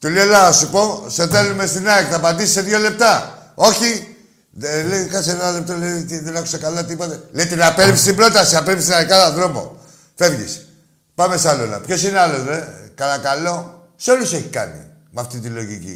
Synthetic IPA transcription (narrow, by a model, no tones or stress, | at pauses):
t̪ulelɐsupo̞seθe̞lume̞st̪inɐekθɐpɐd̪isi̥se̞ðʝo̞le̞p̚t̪ɐo̞çi | elekɐsenenalep̚t̪olet̪iðenɐxu̥sekalɐt̪ipo̞t̪elejt̪enɐpeɾpist̪ibɾo̞t̪ɐsiapepist̪inaekɐðɐðɾo̞mo̞̰ | fe̞vʝḭs | pame̞sɐlolɐ̰pço̞sinealozðekɐlɐkalo̞ | seo̞luseçikɐ̰nḭ | mɐft̪it̪ilo̞ʝḭcḭ